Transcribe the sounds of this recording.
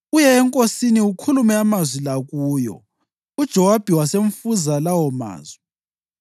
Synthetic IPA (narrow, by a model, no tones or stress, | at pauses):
ujɛːŋkʼosiniukʰulumɛamazwilaɣuːjɔ̰ | ud̥ʒ̥ʱɔwab̥ʱiwaseɱ̩fuzalawɔma̰ːzwi